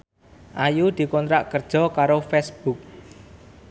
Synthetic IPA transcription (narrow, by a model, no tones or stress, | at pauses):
ʔajud̪̥i̤kɔnt̪ɾaʔkərd̥ʒ̥ɔ̤kaɾofɛsb̥uk̚